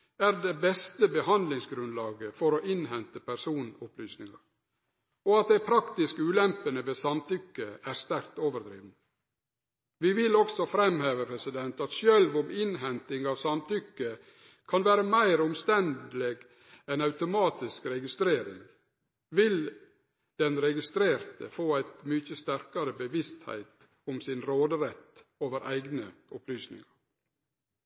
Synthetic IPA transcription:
æɾd̪ɛbɛst̪əbəhɑnd̪lɪŋsɡɾʉnlɑːɡəfɔɾoːʔɪnɦɛnt̪əpʰæɾsuːnʊplyːsnɪŋɑɾ | ɔɑt̪̚d̪æɪpʰɾɑkt̪ɪskʉːlɛmpənəʋeːsɑmt̪ʏkːəæɾst̪æɾkt̪oːʋəɾd̪ɾḭːʋnə | ʋɪʋɪlɔksɔfɾɛmheːʋəpʰɾɛsɪd̪ɛnt̪ɑt̪ʃœlʋʊmɪnɦɛnt̪ɪŋɑːʋsɑmt̪ʰʏkːə | kʰɑnʋæːɾəmæɪɾʊmst̪ɛnd̪əleːɡ | ɛnɑʉt̪ʊmɑːt̪ɪskɾɛɡɪst̪ɾeːɾɪ̰ŋ | ʋɪl | d̪̥ɛnɾɛɡɪst̪ɾeːɾt̪əfoːæɪt̪mʏçəst̪æɾkɑɾəbəʋɪst̪hæ̰ɪt̪ | ʊmsɪnɾoːd̪əɾɛt̪oːʋəɾʔæɪɡnəʊplyːsnɪ̰ŋɑɾ

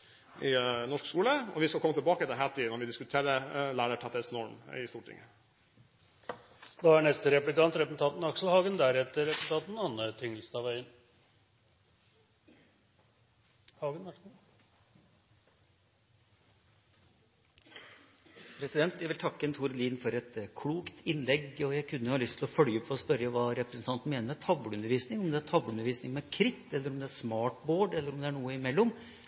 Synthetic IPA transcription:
ɪnɔʂkskuːləɔ̰ʋɪskɑlkɔmət̪ɪlbɑːkət̪ʰɪlɦæt̪ʰiːnɔɾʋɪd̪ɪskʉt̪ʰeːɾəlæːɾəʈʰɛt̪əsnɔɾmɪst̪uːʈʰɪ̰ŋə | d̪ɑːæɳɛst̪əɾɛplɪkɑnt̪ɾɛpən̩t̪ɑt̪nɑksl̩hɑːɡənd̪æɾɛt̪ːəɾɛsʉt̪ɑːt̪n̩ɑnːəʈ̪ʰʏŋːlsnɑʋæɪən | hɑːɡənʋɑ | pʰɾɛsɪd̪ɛnt̪jæɪʋɪlt̪ʰɑkːəɛnt̪ʰuːɾliːnfɔɾɛt̪kʰɽuːkt̪ʰɪnlɛɡɔjæɪkʰʉnːəjʊhɑːlʏst̪ʰɪlɔfœɽjɔpʰːpʰɔɔspœɾəʋɑːɾɛpɾəsn̩t̪ɑnt̪n̩meːnəɾmɛt̪ʰɑbləʉnəɾʋiːsnɪŋɔmd̪ɛæt̪ʰɑblʉnəʋiːsnɪŋmɛkʰɾɪt̪ːɛlːəɾɔmd̪ɛæsmɑːʈboːɖɛlːəɾɔmd̪ɛæɳuːəɪmɛlːɔm

